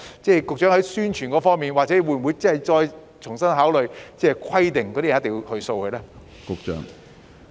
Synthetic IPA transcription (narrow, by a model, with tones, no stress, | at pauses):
t͡sɛː˥˩kʊ˨k̚t͡ʃœː˨˥hɦɐ˨˥jsyː˥nt͡ʃʰyː˨˩nkɔː˨˥fɔː˥ŋmiː˨nwaː˨˩t͡sɛː˨˥wu˨˧j̩˨u˨˧jt͡sɐ˥hɐ˨˩jt͡sɔː˧j | t͡ʃʰʊ˨˩ŋsɐ˥nɦaː˨˥wlɵ˨˩ɥt͡sɛː˥˩kʰɐ˥jt̪ɪ˨ŋkɔː˨˧ɾi˥˨˩te˨jhɵ˧ɥso˧whɵ˧lɛː˥ | kʊ˨k̚t͡ʃœ̰ː˨˥ŋ